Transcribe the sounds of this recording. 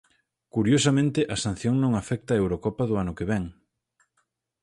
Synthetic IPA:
kuɾjosɐmẽnt̪ɪʔɐsan̟θjoŋnõŋafɛk̚t̪aːewɾokɔpɐðʊanʊkeβɛŋ

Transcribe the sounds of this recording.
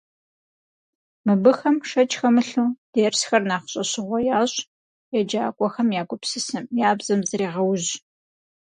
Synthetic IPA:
mɨbɨxɐmʂɐt͡ʃʼxɐmɨɬuːd̥eːrsxɐrnaːχɕʼɐɕɪʁʷɔjaːɕʼ | jɛd͡ʒaːkʷʼɔxɐmjaːɡʷʼʊpsɨsɨmjaːbz̥ɐmzɨɾeːʁɐwʑ

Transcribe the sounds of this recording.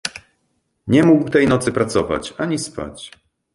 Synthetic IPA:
ɲɛmuɡwt̪ɛjnɔt̪sɘpɾat̪sɔva̰t͡ɕaɲispa̰t͡ɕ

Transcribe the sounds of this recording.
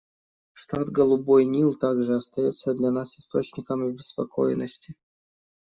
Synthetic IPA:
ʂt̪at̪ɡəlˠʊbojnʲilˠt̪aɡʐɨɐst̪ɐjot̪sːəd̪lʲanasɪ̥st̪o̞t͡ɕnʲɪkəmʲɪbʲɪspɐkʰo̞jɪnːəsʲtʲɪ

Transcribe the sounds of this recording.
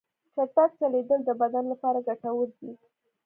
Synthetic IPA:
t͡ʃat̪ak̚t͡ʃaled̪əld̪əbad̪anlapɑɾaɡaʈawəɾd̪i

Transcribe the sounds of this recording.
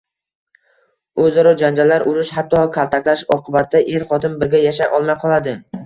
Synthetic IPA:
ɵzɒɾɒd͡ʒand͡ʒalːaɾʊɾɪʃhat̪ʰːɒkʰalˠt̪ʰakʲlaʃɒqʰɨbat̪d̪aʔe̞ɾχɒt̪ʰɪmbɪɾɡʲajaʃajʔɒlˠmajqʰɒlˠad̪ɪ

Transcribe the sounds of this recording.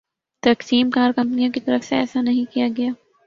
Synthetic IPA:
t̪ɐksiːmkaːɾkɐ̃mpnijõkit̪ɐɾəfseɛ̰ːsanɐɦĩkijaɡɐjaː

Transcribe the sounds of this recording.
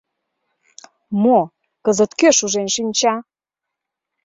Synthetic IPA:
mo | kəzət̪køʃuʒenʃinʲt͡ɕɑ

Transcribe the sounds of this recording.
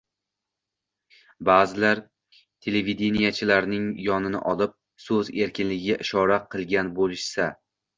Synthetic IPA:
baːzɪlaɾ | t̪ʰe̞levid̪enijat͡ʃʰɪlaɾnɪŋjɒnɪnɪ̰ʔɒlˠɪp̚ | sɵze̞ɾkʲʰɪnlɪɡʲɪɡʲaʔɪʃɒɾaqʰɨlˠɡʲanbolˠɪʃsa

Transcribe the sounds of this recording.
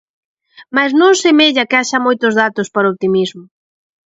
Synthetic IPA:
maznõŋsemeʎɐkɪaʃɐmojt̪ʊzðat̪ʊspaɾoopt̪imizmʊ

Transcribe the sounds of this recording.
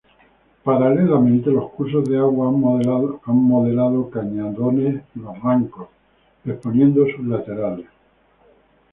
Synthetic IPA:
paɾale̞lamẽnt̪e̞lo̞hkuɾs̬o̞zðeaɣwa | aŋmo̞ðe̞lað̞okaɲaðo̞neslo̞raŋko̞s | ðehpo̞njẽ̞nd̪osuɦlat̪e̞ɾales

